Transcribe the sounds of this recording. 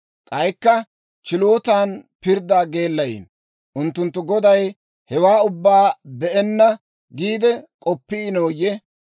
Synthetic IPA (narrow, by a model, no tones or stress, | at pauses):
kʼɐjkːɐ | t͡ʃɪlo̞ːt̪aːnpɪɾd̪aːɡe̞ːlːɐjḭːn | ʔʊnt̪ːʊnt̪ːʊɡɔd̪ɐj | hɛwaːʊbːaːbɛʔɛnːɐ | ɡiːd̪ɛkʼɔpːɪɪnoːjɛ